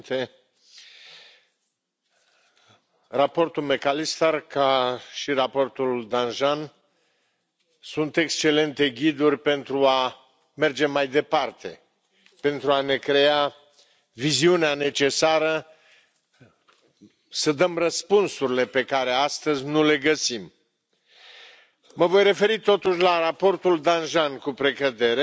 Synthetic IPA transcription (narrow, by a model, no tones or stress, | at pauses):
t̪e | rapo̞rt̪ulme̞kalist̪arkaʃirapo̞rt̪uld̪anʒan | sunt̪e̞kst͡ʃe̞le̞nt̪e̞ɡʲid̪urʲpe̞nt̪ɾua | me̞rd͡ʒe̞majd̪e̞part̪e̞ | pe̞nt̪ɾuane̞kɾe̞a | viziuneane̞t͡ʃe̞saɾə | səd̪əmrəspunsuɾile̞pe̞kaɾeast̪əzʲnule̞ɡəsim | məvo̞jre̞fe̞ɾit̪o̞t̪uʃʲlarapo̞rt̪uld̪anʒankupɾe̞kəd̪e̞ɾe